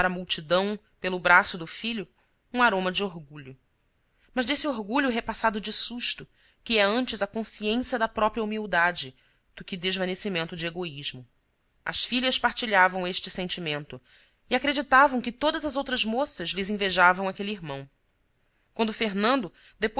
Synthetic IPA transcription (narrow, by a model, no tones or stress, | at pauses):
aɾɐmuwt͡ʃid̪ɐ̃w̃ | pelʊbɾasʊd̪ʊfiʎʊ | ũaɾõmɐd͡ʒɪoɦɡuʎʊ | mɐʒd̪esioɦɡuʎʊɦepasad̪ʊd͡ʒɪsuʃt̪ʊ | kɪɛɐ̃nt͡ʃɪzɐkõsiẽsiɐd̪ɐpɾɔpɾiɐumiwd̪ad͡ʒɪ | d̪̥ʊkɪd̪eʒvɐnesimẽnt̪ʊd͡ʒɪeɡoiʒmʊ | ɐ̰sfiʎɐspaht͡ʃiʎavɐ̃w̃eʃt͡ʃɪsẽnt͡ʃimẽnt̪ʊ | iakɾed͡ʒit̪avɐ̃w̃kɪt̪od̪ɐzɐzowt̪ɾɐzmosɐzlɪzĩveʒavɐ̃w̃akeliiɦmɐ̃w̃ | kwɐ̃nd̪ʊfeɦnɐ̃nd̪ʊ | d̪epo